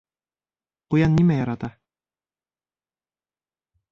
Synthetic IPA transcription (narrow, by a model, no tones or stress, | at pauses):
qujɑnːimæjɑɾɑt̪ɑ